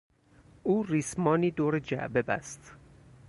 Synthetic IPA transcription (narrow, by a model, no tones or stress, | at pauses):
uːriːsmɒːniːd̪oːɾed͡ʒæ̰ʔbebæ̰st̪